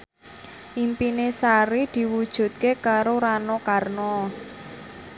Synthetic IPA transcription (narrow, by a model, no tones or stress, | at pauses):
ʔimpinesaɾid̪̥i̤wud̥ʒ̥ṳt̪̚kekaɾoɾanɔkarnɔ